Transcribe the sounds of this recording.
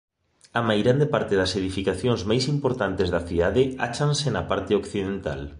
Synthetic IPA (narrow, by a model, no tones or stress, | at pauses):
ɐmajɣɾand̪epaɾt̪eðɐseðifikaθjoŋzmajsimpoɾt̪ant̪ezðɐθiðaðɪa̰t͡ʃansɪnɐpaɾt̪eokθiðent̪a̰l